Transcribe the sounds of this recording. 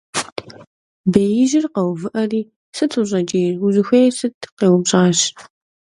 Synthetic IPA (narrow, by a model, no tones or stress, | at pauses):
bejɪʒɪrqɐwvɨʔɐriː | sɨtʰɨʑʼɐd͡ʒʼejrʊʑɪxʷeːjsɨtʰqeːwʊbɕʼaːɕ